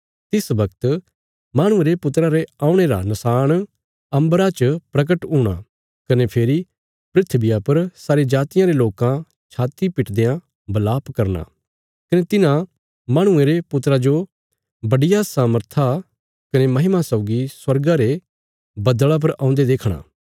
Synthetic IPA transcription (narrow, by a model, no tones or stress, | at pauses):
t̪ɪsbɐkt̪ | maːɽ̃ʊ̃eɾepʊt̪ɾaɾeaːũɽ̃eɾa̰nɐsaːɽ̃ | ɐ̃mbɾat͡ʃpɾɐk̬əʈɦuːɽ̃a̰ | kɐnepʰeːɾi | pɾɪt̪ʰbɪjapɐɾsaːɾed͡ʒaːt̪ɪjãɾeloːkã | t͡ʃʰaːt̪ipɪʈd̪ejã | bɐlaːpkɐɾna̰ | kɐnet̪ɪnã | maːɽ̃ʊ̃ẽɾepʊt̪ɾad͡ʒo | bɐɖɪjasaːməɾt̪ʰa | kɐnemɐɦɪmasɐʊɡiswɐɾɡaɾe | bɐd̪ɭap̬ɐɾã̰ʊ̃nd̪ed̪eːkʰɽ̃a̰ː